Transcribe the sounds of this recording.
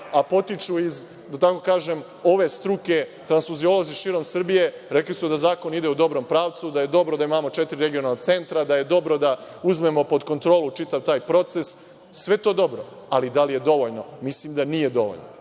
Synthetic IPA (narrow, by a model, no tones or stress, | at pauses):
apo̞t̪it͡ʃuiz | d̪at̪ako̞kaːʒe̞m | o̞ʋe̞st̪ɾuke̞t̪ɾansfuzio̞lo̞ziʃiːɾo̞msr̩bije̞ɾeklisud̪azaːko̞nid̪eud̪o̞bɾo̞mpɾaːʋt̪sud̪aje̞d̪o̞bɾod̪aimamo̞t͡ʃet̪iɾiɾeɡionalnot̪se̞nt̪ɾad̪aje̞d̪o̞bɾo̞d̪a | uzme̞mo̞po̞d̪ko̞nt̪ɾo̞ːlˠut͡ʃit̪aʋt̪aːjpɾo̞t̪se̞s | sʋe̞t̪od̪o̞bɾo | alid̪alije̞d̪o̞ʋoʎno̞mislimd̪anije̞d̪o̞̰ʋo̰ʎno